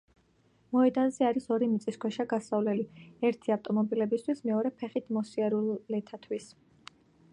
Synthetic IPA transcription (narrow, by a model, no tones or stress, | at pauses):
mɔɛd̪anzɛaɾisɔɾimit̪sʼiskʰwɛʃaɡasavlɛliɛɾt̪ʰiaft̪ʼɔmɔbilɛbist̪ʰwismɛɔɾɛpʰɛχit̪ʰmɔsiɛɾulːɛt̪ʰat̪ʰwis